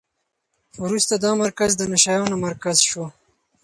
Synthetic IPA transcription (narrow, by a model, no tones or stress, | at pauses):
wɾust̪ad̪ɑmaɾkazd̪ənaʃajonomaɾkazʃo